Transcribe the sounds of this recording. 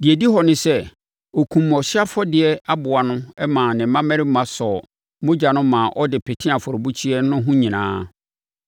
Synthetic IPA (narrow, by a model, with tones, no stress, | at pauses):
dɪ˨ɛ˨di˦ɦɔ˨nɪ̃˦sɛ˦ | ɔ˨kʰũ˨m˨ɔ˨ɕɪ˦a˦fɔ˦dɪ˨ɛ˦a˦bʊ˨a˨nʊ̃˦ɛ˦mãː˨nɪ̃˨˦mã˦mɛ̃˦ɾɪ˦mã˨sɔ˨ | mʊ̃˦d͡ʑa˨nʊ̃˦mãː˨ʔɔ˦dɪ˨pʰɛ˨tʰĩ˦a˨fɔ˨ɾʊ˨bu˦t͡ɕʰi˦ɛ˦nʊ̃˦ɦũ˦ɲĩ˨nã̰ː˦